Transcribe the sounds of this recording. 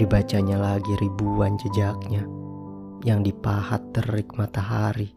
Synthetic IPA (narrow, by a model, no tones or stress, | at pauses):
dibat͡ʃaɲalaɡiɾibuand͡ʒəd͡ʒak̚ɲa | jaŋdipaha̰t̪ːərɪk̚mat̪aɦaɾi